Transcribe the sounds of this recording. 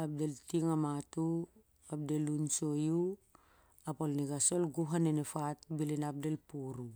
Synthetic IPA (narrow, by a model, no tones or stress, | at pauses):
ap̚deltiŋamatu | ap̚delunsoju | apolniɡasolɡuɦanenefatbilinap̚delpuɾu